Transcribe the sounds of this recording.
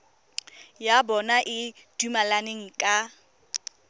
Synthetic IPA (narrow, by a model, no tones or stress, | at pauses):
jabɔnaʔɪ | d̥umalaneŋ̩kʼa